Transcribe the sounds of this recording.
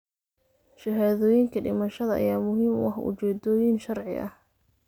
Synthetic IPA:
ʃɐɦaːðɔːjɪŋkʰɐɖɪmɐʃɐðɐʔɐ̰jaːmʊɦiːmwɑħʊ̰t͡ʃɛːd̪ɔːjɪnʃɐrʕɪ̰ʔɐ̰h

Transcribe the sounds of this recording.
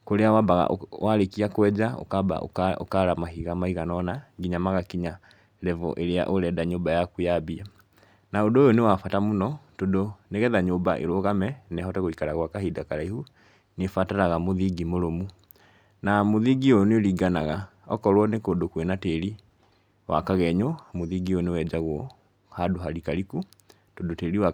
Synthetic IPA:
koɾeawabaɣa̰ʔwʔaɾekiakwɛd͡ʑao̰kaba̰o̰o̰kaɾamaɦiɣamahiɣanɔnaɡiɲamaɣakiɲa | ɾɛvɔ̰ʔeɾea̰ʔoɾɛdaɲobajakujabiɛ | naodoːjonewafatamonɔtodoneɣɛðaɲobaʔḛɾoɣamɛnɛhɔtɛɣoikaɾaɣwakaɦidakaɾaihu | nefataɾaɣamoðiɡimoɾomu | namoðiɡiojoneoɾiːɡanaɣaɔkɔɾwɔnekoːndokwenateɾi | wa̰kaɣɛɲɔmoðiɡionewɛd͡ʑaɣwɔ | hadoɦaɾikaɾiku | todoteɾiwa

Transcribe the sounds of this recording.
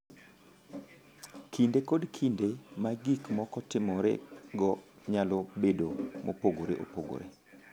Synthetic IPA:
kʰindekodkʰindemaɡikmɔkɔtɪmɔɾḛɡɔ | ɲalɔbedomo̰poɡoɾḛʔo̰poɡo̰ɾḛ

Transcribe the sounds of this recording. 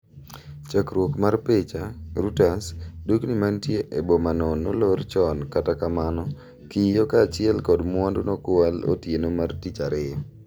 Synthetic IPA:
t͡ʃakɾwokmarpet͡ʃaɾutasduknimantjeʔebomanɔnːo̰lort͡ʃɔnkatakamanɔ | kijokaːt͡ʃɪɛlkɔdmwɔndonɔkwalo̰tjenomartit͡ʃaɾɪjɔ

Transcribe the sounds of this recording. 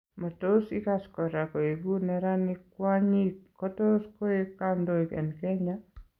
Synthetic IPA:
matosikaskɔɾakoebunɛɾanikwaɲit̚kɔtoskɔekandoikɛ̰nkɛɲa

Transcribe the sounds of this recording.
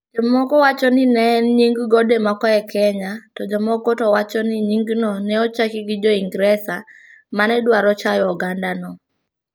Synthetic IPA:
d͡ʒɔmɔkɔwat͡ʃɔnɪnɛɛnɲiŋɡɡɔdemɔkɔɛkʰɛɲatɔd͡ʒɔmɔkɔtɔwat͡ʃɔniɲiŋɡnɔnɛɔt͡ʃakiɡid͡ʒɔiŋɡɾɛsa | manɛdwaɾɔt͡ʃajɔɔɡandanɔ

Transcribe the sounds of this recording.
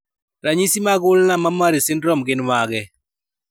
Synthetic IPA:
ɾaɲisimaɡʊlnamamaɾɪsɪndɾɔmɡɪnmaɡɛ

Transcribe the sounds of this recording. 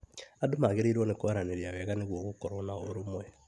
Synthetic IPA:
adomaɣeɾeiɾwɔnekoaɾaneɾiawɛɣaneɣwɔɣokɔɾɔnaoɾomwɛ

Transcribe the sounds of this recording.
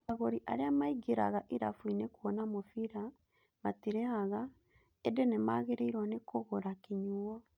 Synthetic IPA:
aɣoɾiʔaɾeamaiɡeɾa̰ɣaʔiɾafwinekuɔnamofiɾa | matiɾɛhaɣa | edenemaɣeɾeiɾwanekoɣoɾakiɲuɔ

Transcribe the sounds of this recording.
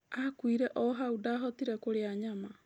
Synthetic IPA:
akuiɾeʔoɦaudaɦot̪iɾekoɾeaɲama

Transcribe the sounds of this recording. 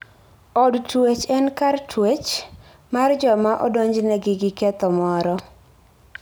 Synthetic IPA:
ɔdtwet͡ʃɛnkartwet͡ʃ | mard͡ʒɔmaʔɔdoɲd͡ʒnɛɡɪɡɪkɛt̪ɔmɔɾɔ

